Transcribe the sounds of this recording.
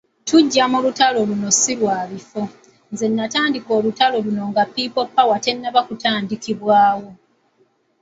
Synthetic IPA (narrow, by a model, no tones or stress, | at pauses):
tuɟːamulutalo̞luno̞silwaːβifo̞ | nze̞nːataːndiko̞ːlutalo̞luno̞ŋɡapːipo̞pːawate̞nːaβakutaːndikiβwaːwo̞